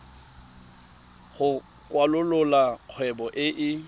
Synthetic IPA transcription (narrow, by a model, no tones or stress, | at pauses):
χʊ | kʼwalʊlʊlaq͡χʰwɛbɔʔɪʔɪ